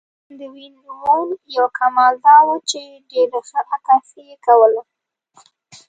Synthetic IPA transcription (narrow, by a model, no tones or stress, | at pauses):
d̪əwind̪uwonjawkʰamɑld̪ɑwut͡ʃe | ɖeɾaxəʔakasijekawəla